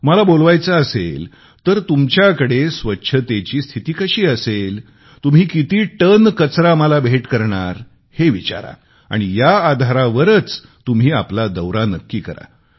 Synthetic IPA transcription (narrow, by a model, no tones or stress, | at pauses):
məlabolʋajt͡saːsḛl | t̪əɾt̪umt͡ɕjakəɽesʋətːɕʰət̪et͡ɕiːst̪ʰit̪iːkəɕiːəsel | t̪um̤iːkit̪iːʈənkət͡sɾaməlabʱeʈkəɾɳaɾ | heʋit͡ɕa̰ɾa̰ | a̰ɽ̃ijaːd̪ʱaɾaʋəɾət͡s | t̪um̤iːaplad̪əwɾanəkːiːkəɾa̰